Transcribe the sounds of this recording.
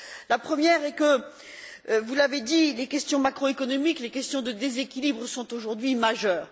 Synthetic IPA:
lapχəmjɛʁɛkə | vulaved̪ilekʲɛst̪jɔ̃makχoekɔnɔmiklekʲɛst̪jɔ̃d̪əd̪ezekʲilibʁəsɔ̃t̪oʒuʁd̪ɥimaʒœːʁ

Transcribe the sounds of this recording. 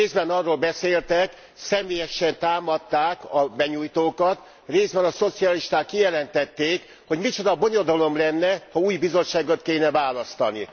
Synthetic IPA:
eːzbɛnɒrːoːlbɛseːlt̪ɛk | sɛmeːjɛʃɛnt̪aːmɒt̪ːaːkɒbɛɲuːjt̪oːkɒt̪ | reːzbɛnɒso̞t̪siɒliʃt̪aːkːijɛlɛnt̪ɛt̪ːeːk | ho̞ɟmit͡ʃo̞d̪ɒbo̞ɲo̞d̪ɒlo̞mlɛnːɛhɒuːjbizo̞t͡ʃːaːɡot̪keːnɛvaːlɒst̪ɒni

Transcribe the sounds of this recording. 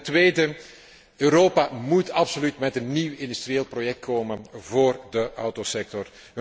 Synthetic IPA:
tʋeːdə | øːɾoːpamutɑpsolytmɛtənːiwɪndyst̪rijeːlˠprojɛk̚t̚kʰoːmənvoːrdəʔɑwtosɛk̚tɔr

